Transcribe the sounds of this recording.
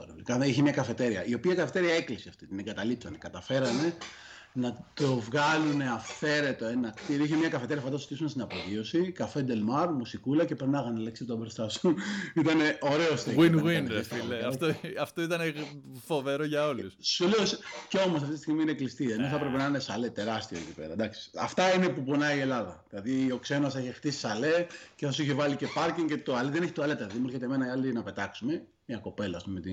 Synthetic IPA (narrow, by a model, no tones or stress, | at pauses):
onikɐiçemɲɐkɐfe̞t̪e̞ɾiɐ̰ʔio̞piɐikɐfe̞t̪e̞ɾiɐe̞klisiɐft̪it̪ineŋɡɐt̪ɐlipsɐne̞kɐt̪ɐfe̞ɾɐne̞ | nɐt̪o̞vɣɐlune̞ɐfθe̞ɾe̞t̪o̞e̞nɐkt̪iɾoiçemɲɐkɐfee̞ɾiɐfɐɐt̪ɐsozi̥t̪isumest̪inɐpoðio̞sikɐfend̪e̞lmɐɾmusikulɐce̞peɾnnɐɣɐneleksit̪obeɾst̪ɐsunit̪ɐne̞ʔo̞ɾe̞ost̪ewinɣwinsileɐt̪oɐft̪oit̪ɐnefo̞veɾoʝɐo̞lusoliosceo̞mos̬ɐft̪isiɣmiineklist̪ieno̞θɐpɾepe̞nɐinesɐle̞t̪e̞ɾɐst̪ioḛcipe̞̰ɾɐ̰d̪ɐksi̥ɐ̰ft̪ɐinepuponɐie̞lɐðɐðilɐðio̞kse̞noseçext̪isi̥sɐle̞ceθosiçevɐlice̞pɐɾciŋce̞t̪oɐliðe̞ne̞çit̪oɐle̞t̪eðɐðimueɾçet̪eme̞nɐiɐld̪inɐpe̞t̪ɐksume̞ | mɲɐko̞pe̞lɐːspumet̪i